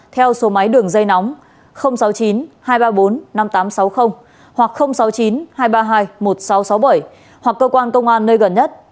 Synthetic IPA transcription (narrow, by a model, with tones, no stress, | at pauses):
t̪ʰɛ˧wso˨˦ma˨˦jɗɨ˨˩əŋzə˧jnɔ˨˦wŋ͡m | xə˧wŋ͡msa˨˦wt͡ɕi˨˦nhaː˧jɓaː˧ɓo˨˦nːa˧mt̪aː˨˦msa˨˦wxə˧wŋ͡m | hwa˨˩k̚xə˧wŋ͡msa˨˦wt͡ɕi˨˦nhaː˧jɓaː˧ɦaː˧jmo˨˩t̚sa˨˦wsa˨˦wɓə˧˩j | hwa˨˩kːəː˧kwaː˧nkə˧wŋ͡mʔaː˧nːəː˧jɣə˨˩nɲə˦˥t̚